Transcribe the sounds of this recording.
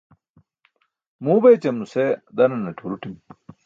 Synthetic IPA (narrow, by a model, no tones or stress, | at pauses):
muːbɐjt͡ɕɐmused̪ɐnɐnɐʈʰuɾuʈim